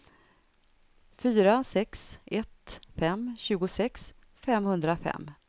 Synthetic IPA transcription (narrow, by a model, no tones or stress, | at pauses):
fyːɾasɛksɛt̪fɛmɕʉ̟ːɡʊsɛks | fɛmhɵnd̪ɾafɛ̰mː